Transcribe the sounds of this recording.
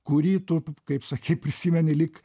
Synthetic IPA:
kʊɾʲiːt̪ʊkɐɪpsɐkʲɛɪpʲɾʲɪsʲiːmʲɛnʲɪlʲɪk

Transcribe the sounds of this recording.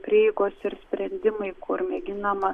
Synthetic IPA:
pʲɾʲiːɛɪɡoːsɪɾsʲpʲɾʲɛnʲd̪ʲɪmɐɪkʰʊɾmʲɛɡʲɪnɐmɐ

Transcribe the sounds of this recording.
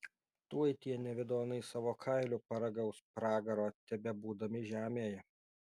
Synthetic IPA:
t̪uɔjt̪ʲiɛnʲɛʋʲɪd̪oːnɐɪsɑːʋoːkʰɐɪlʲʊpɐɾɐɡɐʊspɾɑːɡɐɾoːt̪ʲɛbʲɛbuːd̪ɐmʲɪʒʲæːmʲeːjɛ

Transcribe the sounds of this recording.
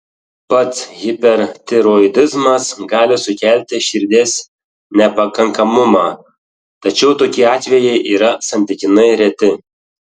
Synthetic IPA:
pɐt̪sɣʲɪpʲɛɾt̪ʲɛɾoɪd̪ʲɪzmɐsɡɑːlʲɪsʊkʲælʲt̪ʲɪʃʲɪɾʲd̪ʲeːs | nʲɛpɐkɐŋkɐmʊmɑː | t̪ɐt͡ʃʲɛʊt̪oːkʲiːɑːt̪ʲʋʲɛjɛɪʔiːɾɐsɐnʲt̪ʲɪkʲɪnɐɪɾʲɛt̪ʲɪ

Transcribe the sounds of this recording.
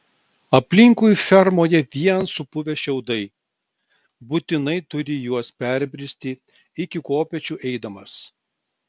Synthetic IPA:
ɐpʲlʲɪŋkʊjfʲɛɾmoːjɛʋʲiɛnsʊpʊʋʲɛʃʲɛʊd̪ɐɪ | buːt̪ʲɪnɐɪt̪ʊɾʲɪjuɔspʲæɾʲbʲɾʲɪsʲt̪ʲɪ | ɪkʲɪkoːpʲɛt͡ʃʲuːʔɛɪd̪ɐmɐs

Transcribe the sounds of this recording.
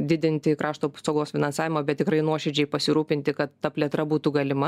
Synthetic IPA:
d̪ʲɪd̪ʲɪnʲt̪ʲɪkɾʔɑːʃt̪oːpsɐʊɡoːsfʲɪnɐnsɑːʋʲɪmɐːbʲɛt̪t̪ʲɪkɾɐɪnuɔʃʲɛd͡ʒʲɛɪpɐsʲɪɾuːpʲɪnʲt̪ʲɪkɐt̪ːɐpʲlʲiɛt̪ɾɐbuːt̪uɡɐlʲɪmɐ

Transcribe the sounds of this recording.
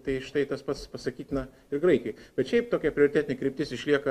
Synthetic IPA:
t̪ɐɪʃt̪ɐɪt̪ɐspɐt̪spɐsɐkʲiːt̪ʲnɐ | ɪrɡɾɐɪkʲɛɪb̥ʲɛt̪ʃʲɛɪp̚t̪oːkʲɛpʲɾʲɪoɾʲɪt̪ʲæːt̪ʲɪnʲɪkɾʲɪp̚ʲt̪ʲɪsɪʃʲlʲiɛkɐ

